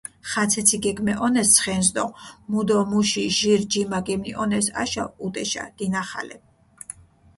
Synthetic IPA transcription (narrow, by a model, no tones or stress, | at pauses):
χat̪sʰɛt̪sʰiɡɛɡmɛʔɔnɛst̪sʰχɛnzd̪ɔmud̪ɔmuʃiʒiɾd͡ʒimaɡɛmniʔɔnɛsa̰ʃaut̪ʼɛʃa̰d̪̥inaχa̰lɛ̰